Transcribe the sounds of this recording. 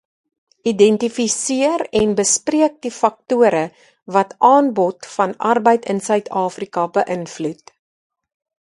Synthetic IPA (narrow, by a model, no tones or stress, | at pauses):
ʔidɛntifisiərɛnbəspriək̚difɐk̚tuəɾə | vɐtʔɑːnbɔtfɐnʔɐ̰rbəjtənsœɥtʰɑːfrikɐbəʔənflut